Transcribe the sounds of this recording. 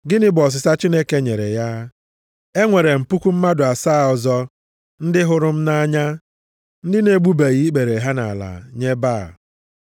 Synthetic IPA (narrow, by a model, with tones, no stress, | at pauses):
ɡɪ˦nɪ˦bɔ˨s̬ɪ˨sa˦t͡ʃi˦ne˦ke˦ɲe˨ɾe˨ja˦ | e˦ŋʷe˨ɾe˨m̩˨pu˦kʷu˦m̩˦ma˦dʊ˨a˨saː˦˨ɔ˨zɔ˦ | n̩˦dɪ˦ɦʊ˦ɾʊ˦m̩˦na˦ɲa˦ | n̩˦dɪ˦ne˦ɡ͡bu˦be˨ɣi˦ɡ͡be˨ɾe˨ɦa˦na̰˨la̰˨ɲe˦baː˦˨